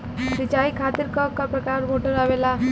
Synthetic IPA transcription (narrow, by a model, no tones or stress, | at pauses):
sɪt͡ʃaːikʰaːt̪ɪɾkəkːapɾəkaːɾmoːʈəɾaʋela